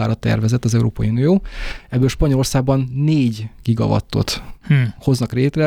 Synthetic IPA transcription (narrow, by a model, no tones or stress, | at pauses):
aːɾɒt̪ːɛ̰rvɛzɛt̪ːɒzɛuɾoːpɒjiunijoːɛbːøːlʃpɒɲolo̞rsaːɡ̚bɒnːeːɟɡ̥iɡɒ̰vɒ̰t̪ːo̞̰t̪ho̞znɒkreːt̪rɛ